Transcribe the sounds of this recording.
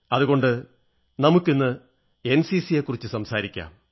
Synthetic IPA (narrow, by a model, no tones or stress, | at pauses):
ɐðuɣo̞ɳɖɨ | nɐmukːinːɨ | e̞nsisijekːurit͡ɕːɨsɐmsaːɾikʲːa̰ːm